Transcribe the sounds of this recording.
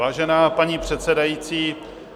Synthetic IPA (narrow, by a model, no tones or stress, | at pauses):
aːʒɛnaːpaɲiːpr̝̥ɛt̪sɛdajiːt͡siː